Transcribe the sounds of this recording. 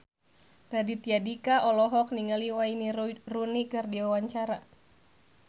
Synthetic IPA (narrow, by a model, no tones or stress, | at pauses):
dadit̪iadikaʔɔlɔɦɔk̚niŋaliwainirunikɨrdiwawaɲt͡ʃaɾa